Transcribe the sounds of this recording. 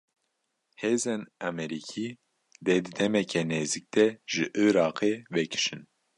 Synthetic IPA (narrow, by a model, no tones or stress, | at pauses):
heːzɛnæmɛɾikʰi | d̪ɛd̪ɨd̪ɛmɛkʰɛneːzik̚d̪ɛʒ̥ɨʔɨːɾɑːqʰevɛkʰɨ̥ʃɨn